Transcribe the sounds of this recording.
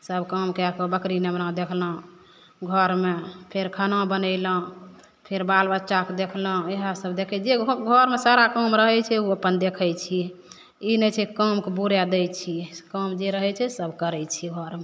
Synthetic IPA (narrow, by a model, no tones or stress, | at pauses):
səbʱkəmkeakebəkɾinebnãd̪ekʰlə̃ | ɡʱəɾmepʰeɾkʰənãbənəɪlə̃ | pʰeɾbalbətːʃʰaked̪ekʰlə̃eɦəsəbd̪ekʰɛd͡ʒeɡʱəɾmesaɾakəmɾəɦɛt͡ʃʰɛuəpənd̪ekʰəjt͡ʃʰi | inɛt͡ʃʰɛkəmkebuɾjad̪ɛjt͡ʃʰikəmd͡ʒeɾəɦɛt͡ʃʰɛsəbʱkəɾɛt͡ʃʰiɡʱɔɾme